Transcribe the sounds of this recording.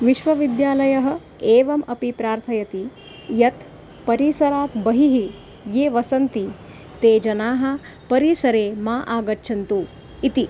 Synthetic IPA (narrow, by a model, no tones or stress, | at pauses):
ʋiʃʋɐʋid̪jaːlɐjɐɦɐ̆ | eːʋɐmɐpipɾaːɾt̪ʰɐjɐt̪i | jɐt̪ | pɐɾiːsɐɾaːt̪bɐɦiɦi | jeːʋɐsɐnt̪i | t̪eːd͡ʒɐnaːɦɐ̆ | pɐɾiːsɐɾeːmaːʔaːɡɐtːʃʰɐnt̪u | it̪i